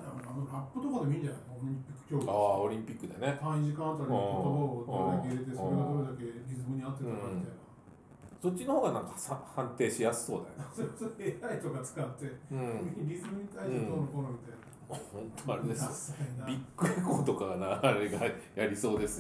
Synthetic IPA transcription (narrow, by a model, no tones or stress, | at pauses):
namokanoɾapːɯ̟t̪o̞kad̪e̞mʲĩɲd͡ʑanajkoɾɲĩpʲi̥kːɯ̥kʲoːaːoɾʲĩmpʲikːɯ̟d̪ene̞t̪ãĩʑikãnt̪okãot̪ːoboɾɯod̪oɾɯd̪akeiɾet̪e̞soɾeɡad̪oɾɯd̪ake̞ɾʲizɨmɯ̟ɲ̟iat̪ːet̪ãamit̪aina | so̞t̚ʲt͡ɕːino̞hoːɡanãŋkasahãnt̪e̞ːɕijasɨ̥so̞ːd̪a̰jonesoɾesoɾeeait̪o̞kat͡sɨ̥kat̪ːe̞ɯ̃ɾʲizɨmɯɲ̟it̪aist̪oɾɯkoɾomʲit̪aina | ohõnt̪oaɾed̪esbʲikːɯ̟ekoːt̪o̞kaɡanaaɾeɡajaɾʲiso̞ːd̪e̞sɨ